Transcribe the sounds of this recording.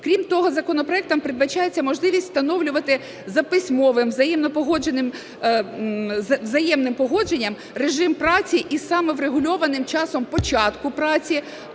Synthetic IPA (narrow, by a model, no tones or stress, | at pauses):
kɾʲimt̪ɔɦɔzɐkɔnɔpɾɔɛk̚t̪ɔmpɾɪd̪bɐt͡ʃɑjet͡sʲːɐmɔʒlˠɪʋʲisʲt̪ʲst̪ɐnɔwlʲʊʋɐt̪ɪ | zɐpɪsʲmɔʋɪmʋzɐjɛmnɔpɔɦɔd͡ʒenɪm | ʋzɐjɛmnɪmpɔɦɔd͡ʒenʲːɐm | reʒɪmpɾɑt͡sʲiʔisɑmɛʋɾeɦʊlʲɔʋɐnɪmt͡ʃɑsɔmpɔt͡ʃɑt̪kʊpɾɑt͡sʲi